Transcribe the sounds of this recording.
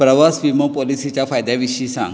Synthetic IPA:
pɾəʋasʋimopɔlisit͡ɕjafajd̪aʋiɕisã̰ŋ

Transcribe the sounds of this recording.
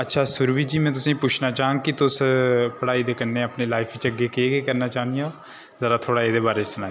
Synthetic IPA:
ətːʃʰaːsʊɾʋiːd͡ʒiːmɛ̃ːt̪̬ʊsĩːpʊt͡ʃʰnaːt͡ʃãːŋɡkɪt̪ʊspəɽaːiːd̪eːkənːeːəpneːlaːɪpʰit͡ʃəɡːeːkeːkeːkəɾnaːt͡ʃaːniã | zəɾaːt̪ʰoːɽaːeːd̪eːbaːɾeːsənãː

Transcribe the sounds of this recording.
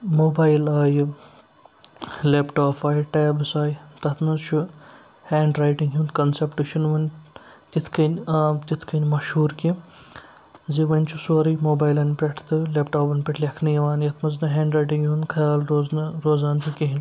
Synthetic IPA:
moːbaːjlaːjɨ | leːpʈaːpʰaːjʈeːbɨsaːjt̪ɐt̪ʰnɐzt͡ʃʰu | heːɳɖɾaːjʈiŋɡɦuːnkɐnsepʈɨʃʰinʋɐnʲ | t̪ʲit̪ʰkɐnʲaːmt̪ʲit̪ʰkɐnʲmɐʃhuːɾki | ziʋɐnʲt͡ʃʰusoːɾimoːbaːjlɐnpʲeʈʰt̪ɨlepʈoːpɐnpʲeʈʰlʲɐkʰnɨjɐʋaːnjɐt̪ʰmɐznɐɦẽːɳɖɾɐjʈiŋɡjunkʰɐjaːlɾoːznɾoːzaːnt̪ukʲiɦinʲ

